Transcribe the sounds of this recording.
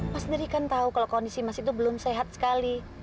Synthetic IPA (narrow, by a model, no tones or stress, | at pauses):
masdəɾikant̪aukaloʔkɔndisimasit̪̬ubəlʊmseɦat̪̚sə̥kali